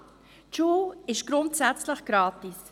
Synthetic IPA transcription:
t͡ʃuːɪʃɡ̥ɾʊntsɛt͡sləχɡ̥ɾɑːtis

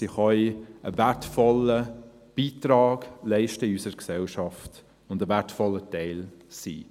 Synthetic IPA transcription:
siχœʔəvætfɔlə | b̥iːtɾɑːɡlɛɪʃtəysəɾəɾksɛlʃɑft | ʊndəvætfɔlːətɛɪlsḭː

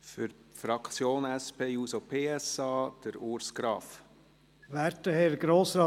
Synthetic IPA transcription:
fʏɾfɾɑkt͡sjoːnɛspeːjuːsopʰeːɛsɑːd̥əɾuɾsɡ̥ɾɑːf | ʋæɾtəhɛɾɡɾoːsɾɑː

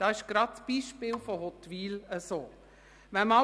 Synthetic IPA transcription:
d̥ɑɪʃɡ̥ɾɑtsb̥iːʃpɪːlfɔɦɔt̪ʋiːləsoː | ʋɛmɑ

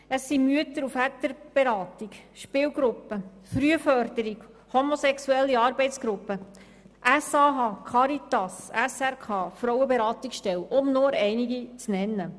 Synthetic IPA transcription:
əsːimyət̪əɾufæt̪əɾb̥eɾɑːt̪iɡʃpɪːlɡɾʊpːə | fɾyəfœɾd̪̥əɾiɡ | homosɛksuɛlːiɑːɾbɛɪtt͡sɡ̥ɾʊpːə | ʔæsɑːɦɑːkʰɑɾit̪ɑsæsæɾkʰɑːfɾɔwəbeɾɑːt̪iksʃtɛlʊmnoːɾɛɪniɡit͡snɛnːə

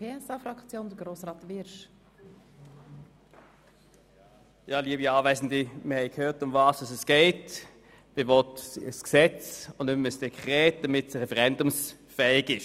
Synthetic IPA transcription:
eːɛsɑfɾɑkt͡sjoːnd̥̪əɡɾoːsɾɑːtvɪɾʃ | jɑːliəbiɑːvɛɪzn̩dimɪhɛɪkʰhøːtʊmvɑːsusɛsɡ̥ɛɪt | m̥evɔtsəsksɛt͡sʊnnʏməsd̥ɛkʰχʁɛːt̚d̥ɐmɪtsəʁɛfəʁɛndʊms | fɛɪɡɪʃ

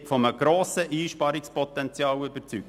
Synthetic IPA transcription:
tfɔməɡ̥ɾoːsəʔiːʃpɑɾɪkspɔt̪ɛnt͡sjɑːwʏbəɾt͡syk̚

